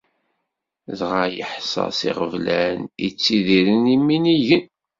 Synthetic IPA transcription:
ðʁajə̰ħsɑ̰sḭʁəvlænḭt͡sːiðiɾənimːiniʝən

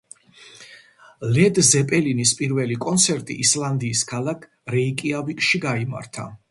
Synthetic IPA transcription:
lɛd̪zɛpʼɛlinispʼiɾvɛlikʼɔnt̪sʰɛɾt̪ʼḭʔislˠand̪iːskʰalˠakʰ | ɾɛikʼiavikʼʃiɡaima̰ɾt̪ʰa̰

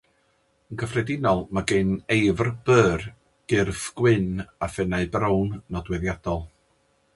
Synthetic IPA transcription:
ənɡəfrɛdɪnɔlˠmaɡɨnejvrb̥əːr | ɡ̥ɪrθɡ̥wɪnafɛnaɨbrownːɔdwɛðjad̥ɔlˠ

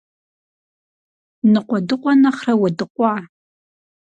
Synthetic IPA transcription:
nɨqʷʼɔdɨqʷʼɔnɐχrɐwɐdɨqʷʼɑː

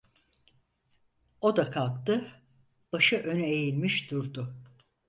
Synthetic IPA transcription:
o̞d̪akʰalˠk̚t̪ɯ | b̥aʃɯʔø̞nejilʲmiʃd̪uɾd̪ʊ

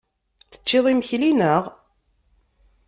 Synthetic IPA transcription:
θə̥t͡ʃːɪðˤiməçlinəʁ

